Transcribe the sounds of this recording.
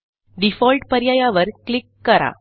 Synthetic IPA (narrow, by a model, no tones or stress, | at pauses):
ɖifɔlʈpɐɾjaːjaʋəɾklikːɐɾa̰